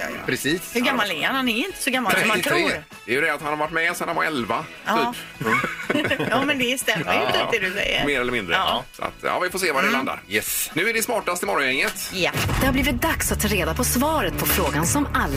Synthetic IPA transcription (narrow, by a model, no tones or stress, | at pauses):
pʰɾɛsiːshɵɡamːalɛhanhanɛɾɪnt̪ə̥sɔɡamːalɔmat̪ʰɾɾ | d̥̪ɛjɵd̪ɛat̪hanhaɾvaʈːmɛsɛnhanva̰ɾɛlva | yːp | juːmɛnd̪ɛst̪ɛmːəjʉt̪ʰːd̪ɛd̪ʉsɛ̰jːə̰meːɾɛlːəmɪnd̪ɾə̰sɔa̰t̪jɑ̰ːvɪfoːseːvadɛland̪a̰ɾjɛsnʉ̟ːæɖɛsmɑːʈast̪ɪmɔɾɔnjɛŋːət̪jad̪̥ɛhabliːvɪt̪̚d̪aksat̪ʰːɑːɾeːd̪apʰɔsvɑːɾət̪̚pʰɔfɾoːɡansɔmalː